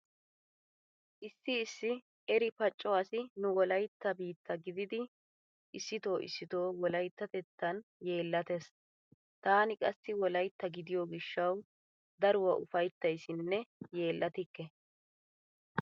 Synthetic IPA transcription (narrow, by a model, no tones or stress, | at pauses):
ʔɪsːɪːsːɪ | ɛɾɪpɐt͡ʃʼːɔasɪnʊwɔlɐjt̪ːɐbiːt̪ʰːɐɡɪd̪ɪd̪ɪ | ʔɪsːɪt̪o̞ːʔɪ̰sːɪt̪o̞ːwɔlɐjt̪ːɐt̪ɛt̪ːɐnje̞ːlːɐt̪es | t̪aːnɪkʼɐsːɪwɔlɐjt̪ːɐɡɪd̪ɪjoːɡɪʃːɐw | d̪ɐɾʊwɐʔʊfɐjt̪ːɐjsɪnːɛje̞ːlːɐt̪ɪkːɛ